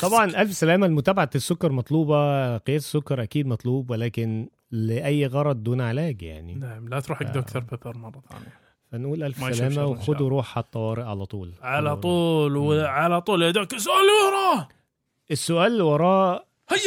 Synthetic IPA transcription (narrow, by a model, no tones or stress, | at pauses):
t̪ˤɑbʕɑnʔælfsælæːmælmʊt̪æːbaʕasːokːɑɾˤmɑt̪ˤluːbɑqejæːe̥sːokːɑɾˤʔækiːd̪mɑt̪ˤluːbwelæːkɪn | leʔæjːɣɑɾˤɑd̪̚ˤd̪uːnʕelæːɡja̰ʕnḭnaʕmlæt̪ɾuːħʔakd̪ʔkt̪ɑɾˤbepeɾˤmɑrˤːɑt̪ˤʕa̰n | fænʔuːlʔælfssælæːmæwexod̪weɾˤuːħħat̪ˤːɑwɑːɾeʔʕalæt̪ˤṵːlʕalæˤuːlweʕalæt̪ˤuːled̪æːksːʊʔæːlːwɑɾˤɑː | ʔesːʊʔæːlːwɑɾˤɑː | hæ